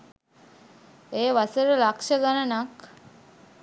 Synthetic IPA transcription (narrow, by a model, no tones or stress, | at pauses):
eːʋasəɾəlakʃəɡanənak